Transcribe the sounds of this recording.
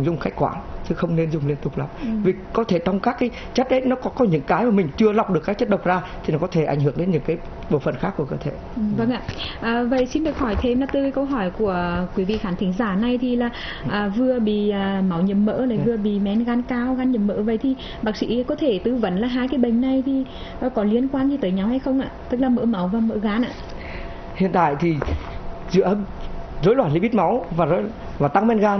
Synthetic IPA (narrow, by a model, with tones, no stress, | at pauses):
ŋ͡mzʊ˨˩ŋ͡mxa˦˥k̚kwaː˧˩ŋt̪ʰɨ˨˧˩xə˧wŋ͡mne˧nzʊ˨˩ŋ͡mli˧ənt̪ʊ˨˩k͡p̚la̰ː˨˩mvi˨˩kɔ˨˦t̪ʰe˧˩t͡ɕɔ˧wŋ͡mkaː˦˥kːaː˨˦j | t͡ɕə˦˥t̚ɗe˨˦jnɔ˨˦kɔ˨˦kɔ˨˦ɲɨ̰˧˥ŋkaː˨˦jmaː˨˩mï˨˩ŋ̟t͡ɕɨ˧əla˨˩wk͡p̚ɗɨ˨əkːaː˨˦˥kt͡ɕə˦˥t̚ɗə˨˩k͡p̚zaː˧t̪ʰi˨˩nɔ˨˦kɔ˨˦t̪ʰe˧˩ʔa̰˧˩jŋ̟ɦɨ˧˩əŋɗe˨˦nɲɨ̰˧˥ŋkaː˨˦j | ɓo̰˧˩fə˧˨nxa˦˥kːu˧˩əkəː˧˩t̪ʰe˧˩˨və˧ŋʔa̰ː˧˨ʔəː˨˩və̰˧˨jsi˧nɗɨ˨˩ək̚hɔ˧˩jt̪ʰe˧mlaː˨˩t̪ɨ˨˧˩kːkə˧wɦɔ˧˩jku˧˩əkwi˨˦vḭ˧˨xaː˧˩nt̪ʰi˨˦ŋ̟zaː˧˩na˧jt̪ʰi˨˩laː˨˩ | ʔəː˨˩vɨ˨˧əɓḭ˧˨əː˨˩ma˨˦wɲə˨˩mmːə̰ː˧˥ləː˨˩vɨ˨˩əɓḭ˧˨mɛ˨˧˦nɣaː˨˦nkaː˧wɣaː˨˧˦nɲə˨˩mːə̰ː˧˥və̰˧˨jt̪ʰi˨˩ | ɓaː˦˥k̚sḭ˧˥kɔ˨˦t̪ʰe˧˩t̪ɨ˨˧˦və̰˨˦nlaː˨˩ɦaː˧jkaː˨˦jɓə̈˨˩ŋ̟na˨˩jt̪ʰi˨˩ | ə˨˩kɔ˨˦li˧ənkwaː˧nzi˧˩t̪əː˨˦jɲa˨˦whjxə˧wŋ͡mʔaː˧˨t̪ɨ˦˥k̚laː˨˩mə̰˧˥ma˨˦wvaː˨˩mə̰ː˧˥ɣaː˨˦nʔa̰ː˧˨ | hḭ˧˨nt̪a̰ː˧˨jt̪ʰi˨˩zɨ̰˧˨əə˦mzo˨˦jlwaː˧˩nlḭ˧˥˦ɓi˦˥t̚ma˨˦wvaː˨˩zo˧˦ | vaː˨˩t̪a˧ŋmɛ˧nɣaː˧n